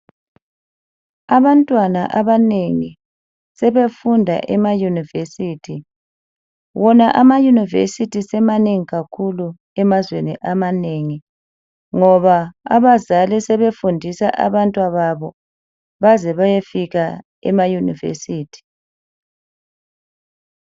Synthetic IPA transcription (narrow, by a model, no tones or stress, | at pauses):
aβantʼwana̰ʔaβaneŋi | sɛβefundʱa̰ʔɛmajunivesiːtʰi | wɔnaʔamajunivḛsitʰisɛmaneŋiɣakʰulu | ɛmazwenḭʔamaneŋi | ŋɔβaa̰βazalisɛβefundʱisa̰ʔa̰βantʼwaβaβɔ | βazɛβajefiɣa | ɛ̰majunḭvḛsiːtʰi̥